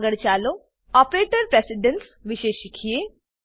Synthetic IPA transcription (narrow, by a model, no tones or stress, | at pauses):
ɡəɽt͡ʃaːlo | ɔpɾeːʈəɾpɾesɪɖənsʋiʃeːʃikʰije